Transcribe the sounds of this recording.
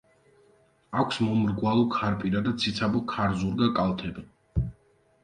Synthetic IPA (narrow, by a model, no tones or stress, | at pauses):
akʷʰsmɔmɾɡwalˠɔkʰaɾpʼiɾad̪at̪sʰit̪sʰabɔkʰaɾzuɾɡakʼalˠt̪ʰɛbi